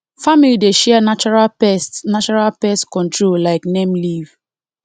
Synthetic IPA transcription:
familideʃɛnat͡ʃɔɹalɛsnat͡ʃɔɹalpɛstkɔ̃ntɹollaɪknemliv

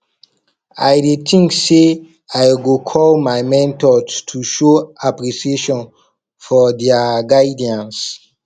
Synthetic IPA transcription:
a̰jdet̪ʰĩŋkse | ajɡokʰɔlmajmɛ̃ntɔtʰuʃoapɹisieʃɔ̃n | fɔdɛaɡaɪdiãns

